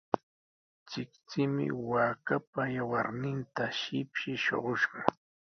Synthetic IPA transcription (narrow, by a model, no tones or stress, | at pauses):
t͡ʃɪkt͡sɪmɪ̰waːkapajawaɾnɪnt̪aʃɪpʃɪʃo̰ɢoʃɢɑ